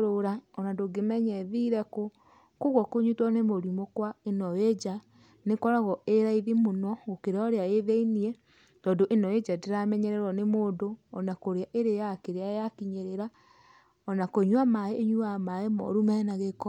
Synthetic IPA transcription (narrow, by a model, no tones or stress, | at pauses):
ɾoɾaɔnandoɡemɛɲɛðiɾɛko | koɣɔkoɲutwɔnemoɾimɔkwaenɔwed͡ʒa | nekɔɾaɣɔeɾaiðimonɔɣokeɾeɔɾeaeðeiniɛ | tɔːndoʔenɔwed͡ʒadeɾamɛɲɛɾɛɾɔnemoːdoɔnakoɾeaʔeɾejakeɾeajakiɲeɾeɾa | ɔnakoɲwamaeːɲuamaemɔ̰ɾumɛnaɣekɔ